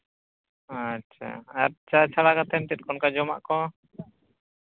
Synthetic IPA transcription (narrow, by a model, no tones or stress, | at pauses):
att͡ʃʰa̰at̚t͡ʃat͡ʃʰaɽakat̪ʰɛmt̪ɛt̪̚kɔnkad͡ʒɔma̰ʔkɔ